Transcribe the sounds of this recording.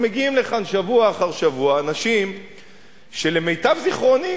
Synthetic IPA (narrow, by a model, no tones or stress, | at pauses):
meɡiimleχanʃavuaːχaʁʃavuaːnaʃim | ʃe̞le̞me̞jtavziχʁo̞ni